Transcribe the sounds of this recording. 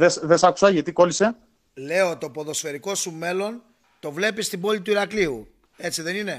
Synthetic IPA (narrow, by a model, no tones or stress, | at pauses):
ðesðesɐku̥sɐʝɐt̪iko̞lise̞ | le̞oot̪io̞po̞ðo̞sfe̞ɾiko̞sume̞lo̞n | t̪o̞vle̞pist̪ibo̞lit̪̬uiɾɐkliu | e̞t͡siðe̞nine̞